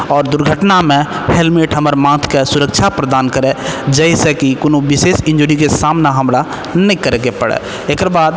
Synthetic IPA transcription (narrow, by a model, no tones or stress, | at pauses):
ɔːɾd̪ʊɾɡʱəʈnamẽhelmeːʈɦəməɾmãːt̪ʰkesʊɾəkʃʰapɾəd̪aːnkəɾed͡ʒɛɪsekikʊnõbɪseːsɪ̃ɲd͡ʒoːɾikesaːmnaɦɐmɾa | nɐĩkəɾeɡepəɽḛ | eːkɾbaːd̪